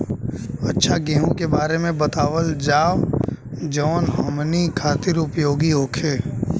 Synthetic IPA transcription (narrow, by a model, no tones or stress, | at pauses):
ɐtːʃʰaɡẽːɦũkebaːɾemẽbɐt̪aːʋəld͡ʒaːʋ | d͡ʒɔːnɦɐmnikʰaːt̪ɪɾʊpjoːɡiɦoːkʰeː